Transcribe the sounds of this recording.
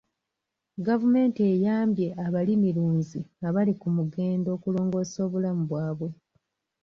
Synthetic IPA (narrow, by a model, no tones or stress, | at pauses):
ɡavume̞ːntiejaːmbje̞ʔaβalimiluːnziaβalikumuɡe̞ːndo̞ːkulo̞ːŋɡo̞so̞ːβulamuβwaːβwe̞